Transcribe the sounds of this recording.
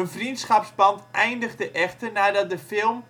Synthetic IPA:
ənvrintsχɑpsbɑntʔɛjndəɣdəʔɛχtərnaːdɑt̚dəfɪlˠm

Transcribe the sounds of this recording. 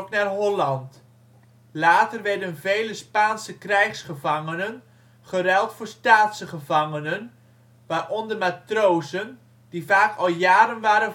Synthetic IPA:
knaːrɦɔlɑnt | laːtərʋɛɹdənvejləspaːnsəkrɛjχsχəvɑŋənən | χərɛlˠtfʊːɹstaːtsəχəvɑŋənən | ʋaːrɔndəmatrowzən | divaːkɑlˠjaːɾənʋaːɾə

